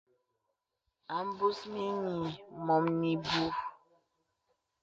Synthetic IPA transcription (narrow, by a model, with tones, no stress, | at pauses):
a˨m̩˦bu˦smi˦ɲi˨mɔ˨mni˨bu˦